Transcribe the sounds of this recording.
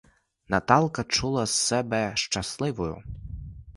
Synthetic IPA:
nɐt̪ɑlˠkɐt͡ʃulˠɐsːɛbɛʃt͡ʃɐslˠɪʋʊjʊ̰

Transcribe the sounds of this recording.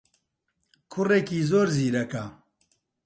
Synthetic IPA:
kʰʊreːkiːzoːɾziːɾɐkɐ

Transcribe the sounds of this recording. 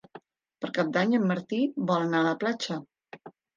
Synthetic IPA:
pəɾkap̚d̪aɲəmːəɾt̪ibɔlənaːləplat͡ʃə

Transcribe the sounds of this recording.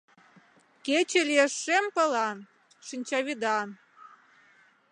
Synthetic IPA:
ket͡ɕelieʃːempɤ̆lɑn | ʃinʲt͡ɕɑβʲid̪ɑn

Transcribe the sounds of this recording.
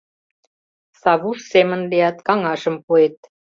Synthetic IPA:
sɑβuʃsemənleɑt̪kɑŋɑʃə̆mpuet̪̚

